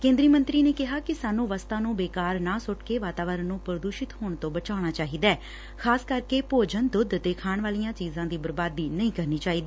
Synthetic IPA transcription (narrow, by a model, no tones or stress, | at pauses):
kẽːnd̪ɾiːmə̃nt̪ɾiːneːkɪɦaːkɪsaːnːũːʋəst̪ãːnũːbeːkaːɾnãːsʊʈkeːʋaːt̪aːʋəɾənːũːpɾəd̪uːʃɪt̪ɦoːɳt̪õːbət͡ʃaːɽ̃aːt͡ʃaːɦiːd̪ɛː | kʰaːskəɾkeːpoːd͡ʒənd̪ʊd̪t̪eːkʰaːɳʋaːlijãːt͡ʃiːzãːd̪iːbəɾbaːd̪iːnəĩːkəɾniːt͡ʃaːiːd̪iː